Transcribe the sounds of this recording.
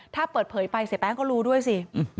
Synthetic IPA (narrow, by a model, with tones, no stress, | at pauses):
t̪ʰaː˥˩pɤː˨˩t̪̚pʰɤː˩˦jpa˧jse˨˩˦p̪ɛː˦˥ŋkɔː˥˩ɾuː˦˥du˥˩əjsi˧˩˨